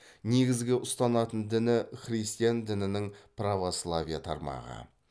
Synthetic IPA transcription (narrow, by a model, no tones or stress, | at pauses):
ne̞ɡʲɪzɡʲɪʔʊst̪ɑnɑt̪ənd̪ɪnɪχɾʲijst̪ijand̪ɪnɪnɪŋpravo̞slˠavʲijat̪ʰɑ̰ɾmɑ̰ʁə̰